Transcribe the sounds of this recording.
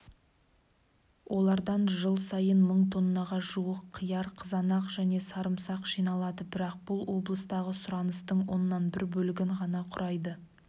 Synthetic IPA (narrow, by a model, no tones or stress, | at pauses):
wʔo̞lˠɑɾd̪ɑnʒəlˠsɑjənməɴt̪ʰo̞nːɑʁɑʒuwəqʰːəjɑɾqʰəzɑnɑqʒ̥æne̞sɑɾəmsɑqʒ̥ijnɑlˠɑd̪əbɪɾɑq̚b̥ʊlˠwo̞blˠəst̪ɑʁəsʊɾɑnəst̪əɴwo̞nːɑnbɪɾbɵlɪɡʲɪɴʁɑnɑqʰʊɾʔɑjd̪ə